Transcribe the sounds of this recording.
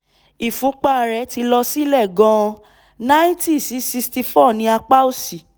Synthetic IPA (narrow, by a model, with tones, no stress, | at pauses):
i˨fũ˨˦k͡pa˦˨ɾɛ˨˦ti˧lɔ˧si˦lɛ˦˨ɡɔ̃˧ | na˦ĩ˦ti˦˨si˨˦si˧sti˧fɔ˦˨nĩ˧˦a˧k͡pa˦o˦˨si˨